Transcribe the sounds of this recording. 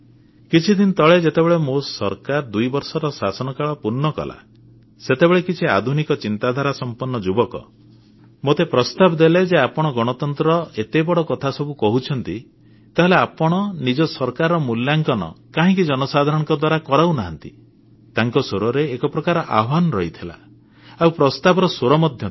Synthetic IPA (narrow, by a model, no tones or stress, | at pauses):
kit͡ʃʰid̪int̪ɔɭed͡ʒet̪ebeɭemosɔ̰ɾkaɾd̪ujbɔɾsɔɾɔsasɔnɔkaɭɔpuɾnːɔkɔ̰la̰ | set̪ebeɭekit͡ʃʰia̰d̪ʱunikɔt͡ʃint̪ad̪ʱaɾasɔmpɔnːɔd͡ʒubɔkɔ̰ | mot̪epɾɔst̪abd̪eled͡ʒeapɔɽ̃ɔɡɔɽ̃ɔt̪ɔnt̪ɾɔet̪ebɔɽɔkɔt̪ʰasɔbukɔɦut͡ʃʰɔnt̪i | t̪aɦeleapɔɽ̃ɔnid͡ʒɔsɔɾkaɾɔmuljaŋkɔnɔ̰kaɦĩk̬id͡ʒɔnɔsad̪ʱaɾɔɽ̃ŋkɔd̪waɾakɔɾawnaɦa̰nt̪i | t̪aŋkɔsoɾɔɾeːkɔpɾɔkaɾɔʔa̰ɦɔbanɔɾɔɦit̪ʰila̰ | awpɾɔst̪abɔɾɔsoɾɔmɔd̪ʱjɔ